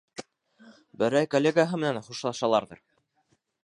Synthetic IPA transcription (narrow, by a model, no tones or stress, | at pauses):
bɘ̆ɾæjkolʲːeɡaɦɤmɘ̆nænχuʃlˠɑʃɑlˠɑɾðɤ̰ɾ